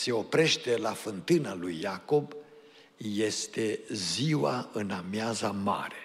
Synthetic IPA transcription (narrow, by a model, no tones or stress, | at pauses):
se̞o̞pɾe̞ʃt̪e̞lafɨnt̪ɨnalujːako̞b | je̞st̪e̞ziwaɨnamjazama̰ɾe̞̥